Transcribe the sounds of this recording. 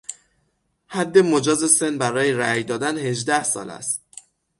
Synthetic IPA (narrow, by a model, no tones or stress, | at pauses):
hæd̪ːe̞mod͡ʒɒːze̞se̞nbæɾɒːjeɾæjd̪ɒːd̪ænhe̞ʒd̪æhsɒ̰ːlæ̰st̪̚